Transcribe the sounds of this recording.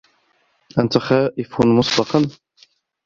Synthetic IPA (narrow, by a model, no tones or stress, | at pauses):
ʔant̪axaːʔɪfmʊsˤbɑqɑn